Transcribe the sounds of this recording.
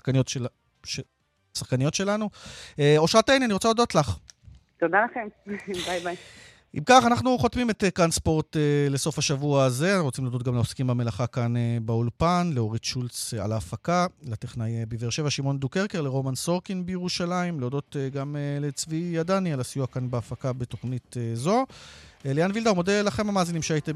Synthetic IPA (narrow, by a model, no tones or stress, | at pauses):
kanot | e | saχkanijo̞tʃe̞lanueo̞ʃʁatenianiʁo̞t͡salod̪o̞tlaχ | t̪od̪alaχembajbaj | ʔimkaχanaχnuχo̞t̪mimet̪ekanspo̞ʁt̪ele̞so̞faʃavuaːze̞nʁot͡simledo̞t̚ɡamleoskimbame̞laχakanebaulpanleo̞ʁitʃult͡sa̰laːfakalateχnajebeveʁʃevaʃimo̞ndukeʁkeʁle̞ʁo̞manso̞ʁkinbejeʁuʃalaimleodo̞t̪eɡamelet͡svijadanialasijuakanbeafakabeto̞χnit̪ezo̞leanvildaumod̪elaχe̞mamaːzinimʃeait̪e